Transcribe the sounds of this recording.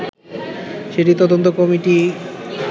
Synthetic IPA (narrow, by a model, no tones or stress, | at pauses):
ʃeʈit̪ɔd̪ont̪okɔmiʈi